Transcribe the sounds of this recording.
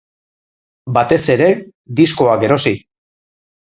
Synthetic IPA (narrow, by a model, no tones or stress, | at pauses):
bat̪e̞se̞ɾe̞ | d̪isko̞ake̞ɾo̞si